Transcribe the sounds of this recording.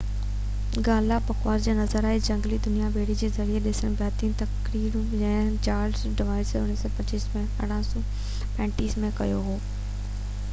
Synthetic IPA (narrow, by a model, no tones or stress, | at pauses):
ɡaːlapɐkwaːzd͡ʑaːnɐzəɾaːɦed͡ʑɐ̃ŋɡlid̪ʊnijabeːɽid͡ʑeːzɐɾieɗɪsəɽ̃bjaːt̪iːnt̪ɐkɾiːɾũɛ̃ːt͡ɕaːɾzɖɪʋaːɪsʊnːiːsɔpɐt͡ɕiːsmẽɐɽ̤̃ãsɔ | pɛ̃ːɳʈiːsmẽkɐ̰joɦoː